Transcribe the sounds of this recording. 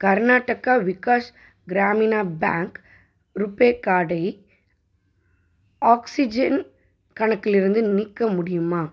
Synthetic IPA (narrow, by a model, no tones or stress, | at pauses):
kɐɾnaːʈːɐkaːʋɪkaːs | ɡɾaːmɪnaːba̰ːŋk | ɾʊpːeːkːaːɽɐɪ | aːksɪd͡ʒɐn | kɐɳɐkːɪlɪɾɯnd̪ɯnɪkːɐmʊɽɪjɯmaː